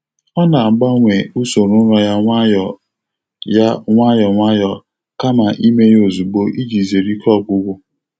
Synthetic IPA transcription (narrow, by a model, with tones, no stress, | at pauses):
ɔ˦na˨ɡ͡ba˦ŋʷe˨u˦so˨ɾʊ˦ɾɔ˦ja˦ŋʷa˦jɔ˨ | ja˦ŋʷa˦jɔ˨ŋʷa˦jɔ˨ | ka˦ma˨ʔi˦me˦jo˨zu˨ɡ͡bo˦ʔi˦d͡ʒi˨ze˨ɾi˦kʰɔ˦˨ɡ͡bʊ˦ɡʷʊ˦